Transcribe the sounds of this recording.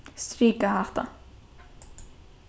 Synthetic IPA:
st̪ɾiːkahaft̪a̰

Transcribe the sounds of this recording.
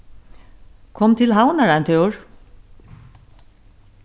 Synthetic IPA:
kʰɔmt̪ʰɪlɦawnaɹant̪ʰœwɹ

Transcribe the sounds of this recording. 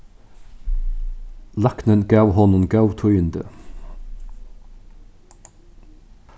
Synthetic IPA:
lɑknənɡɑːwhɔnʊnɡɑwt̪ʰœʏənd̪ə̰

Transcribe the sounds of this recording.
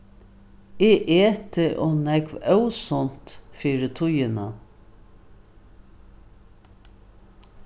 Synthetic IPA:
eːʔeːt̪əʔoːnɛkʋœʉsɔnt̪fiːɾət̪ʰʊjənɑ

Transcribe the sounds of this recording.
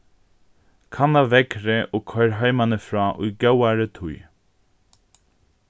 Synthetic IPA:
kʰanavɛkɾɪʔɔkʰœjɾɦajmanɪfɾaːʔujɡawaɾɪt̪ʰuj

